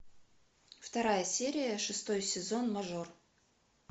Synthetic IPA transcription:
ft̪ɐɾajəsʲeɾʲɪjəʂɨst̪o̞jsʲɪzo̞nmɐʐor

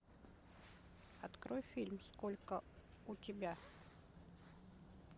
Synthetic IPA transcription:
ɐt̪kɾo̞jfʲilʲmskolʲkə | ʊtʲɪbʲa

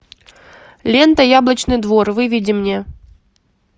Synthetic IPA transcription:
lʲent̪əjablˠət͡ɕnɨjd̪vorvɨvʲidʲɪmnʲe

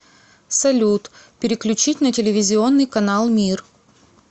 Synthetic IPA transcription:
sɐlʲut̪pʲɪɾʲɪklʲʉt͡ɕitʲnətʲɪlʲɪvʲɪzʲɪo̞nːɨjkɐnalˠmʲir

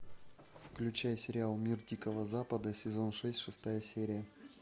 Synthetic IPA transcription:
fklʲʉt͡ɕæjəsʲɪɾʲɪalˠmʲirdʲikəvəzapəd̪əsʲɪzonʂɛsʲtʲʂɨst̪ajəsʲeɾʲɪjə

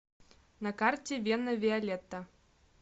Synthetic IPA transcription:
nɐkartʲɛvʲenɐvʲɛalʲɛt̪ːɐ

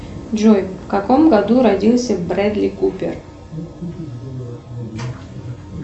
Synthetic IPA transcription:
d͡ʒojfkɐkomɡɐd̪uɾɐdʲilˠsʲəvbɾɛd̪lʲikupʲɪ̰r

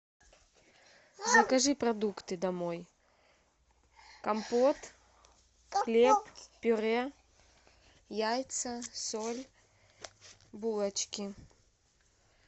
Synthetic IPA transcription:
zɐkɐʐɨpɾɐd̪ukt̪ɨd̪ɐmoj | kɐmpot̪ | xlʲeppʲʊɾɛ | jajt̪sɐsolʲ | bulˠɐt͡ɕkʲɪ

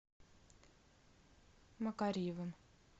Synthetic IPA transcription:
mɐkaɾʲivɨm

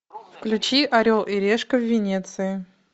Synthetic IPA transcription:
fklʲʉt͡ɕiʔɐɾʲolˠʔɪɾʲeʂkəvːʲɪnʲet̪sɨɪ

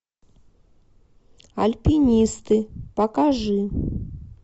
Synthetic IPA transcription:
ɐlʲpʲinʲist̪ɨpɐkaʐɨ

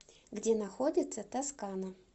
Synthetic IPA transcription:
ɡdʲenaxodʲɪt̪sət̪askanə

